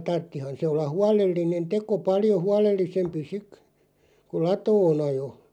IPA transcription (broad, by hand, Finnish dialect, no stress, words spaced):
tɑrtːihɑn se olːɑ huɑlelːinen teko pɑljo huɑlelːisempi sik kul̆ lɑtoːn ɑjo